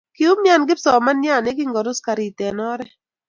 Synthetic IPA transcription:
ki˨u˦mɲja˦˨nɡɪ˦psɔ˨ma˦nja˦˨nɛ˦ɡɪ˦ŋɡɔ˨ɾʊ˦ska˨ɾi˨tɛ˨nɔ˦ɾɛ˦

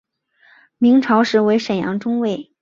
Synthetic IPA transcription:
mi˧˥ŋʈ͡ʂʰɑ˧˥ʊʂɻ̩˧˥we˧˥ɪʂə˨˩jɑ̰˧˥ŋʈ͡ʂʊ˥ŋwe˥˩ɪ

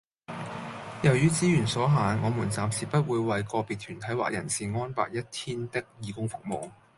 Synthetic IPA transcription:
jɐ˨˩wjyː˨˥t͡siː˨˥jyː˨˩nsɔː˨˥ɦaː˨˧nŋɔː˨˧muː˨˩nt͡saː˨msiː˨˩pɐ˥t̚wuː˨˧jwɐ˨˧jkɔː˧piː˨t̪̚ʰyː˨˩nt̪ʰɐ˨˥jwa̰ː˨k̚jɐ̰˨˩nsiː˨ŋɔː˥npa̰ː˧k̚jɐ˥t̚t̪ʰiː˥nt̪ɪ˥k̚jiː˨˧kʊ˥ŋfʊ˨k̚mo˨w

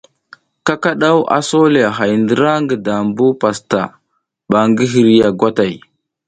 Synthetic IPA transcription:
ka˦ka˦ɗa˦wʔa̰˦so˦le˨a˨ɦa˨jndə˦ɾa˦ŋɡə˨da˨mbu˦pa˨sta̰˨ | ɓa˨ŋɡə˦ɦi˨ɾi˦ja˨ɡwa˦ta˨j

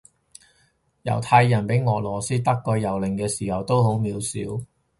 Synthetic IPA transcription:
jɐ̰˨˩wt̪ʰaː˧jːɐ˨˩npe˨˥jŋɔː˨˩lɔː˨˩siː˥t̪ɐ˥kːɔː˧jɐ˨˩wlɪ˨˩ŋkɛː˧siː˨˩hɐ˨˩wt̪o˥who˨˥wmiː˨˧wsiː˨˥w

